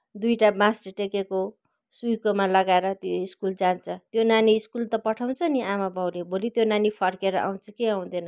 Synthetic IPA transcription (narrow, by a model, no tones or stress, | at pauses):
d̪ujʈamasʈʈekeko | sujkomalʌɡaeɾʌt̪joiskuld͡zant͡sʰʌt̪jonaniːskult̪ʌpʌʈʰaw̃t͡sʰʌniamabʌwlebolit̪jonanipʰʌrkeɾʌ̰ʔa̰w̃t͡sʰʌkeaw̃d̪enʌ